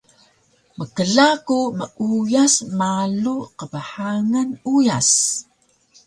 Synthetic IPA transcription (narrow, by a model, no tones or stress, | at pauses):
məkəɮakuməʔujasmaluqəbaħaŋanujas